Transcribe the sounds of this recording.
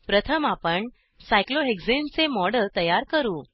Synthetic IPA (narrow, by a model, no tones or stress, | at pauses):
pɾət̪ʰəmapəɳ | sajkloeɡzent͡semɔɽəlt̪əjaɾkəɾuː